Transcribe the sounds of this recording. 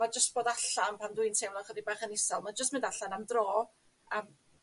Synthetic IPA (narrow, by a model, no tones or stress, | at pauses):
mad͡ʒəstb̥oːdaɬanpʰanduɨntʰewlɔχədibaːχənɪsɛlˠmad͡ʒəstmɪndaɬanamdroː | əm